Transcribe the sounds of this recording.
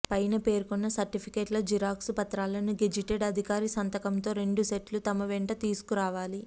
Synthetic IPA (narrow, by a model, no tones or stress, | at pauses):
pɐjnɐpe̞ːɾukunːɐsɐɾʈipʰikeːʈlɐːd͡ʒiɾaːksupɐt̪ɾaːlɐnuɡed͡ʒiʈeɖɐd̪ʱikaːɾisɐnt̪ɐkɐmt̪o̞ːɾe̞ɳɖuseʈlut̪ɐmɐʋɛɳʈɐt̪iːsu̥kuɾaːʋaːli